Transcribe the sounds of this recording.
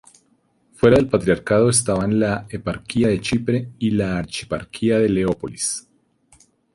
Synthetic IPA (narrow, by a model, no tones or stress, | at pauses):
fwe̞ɾaðe̞lpat̪ɾiaɾkaðo̞es̬t̪aβanlaepaɾkiaðe̞t͡ʃipɾe̞ilaːɾt͡ʃi̥paɾkʰiaðe̞le̞o̞polis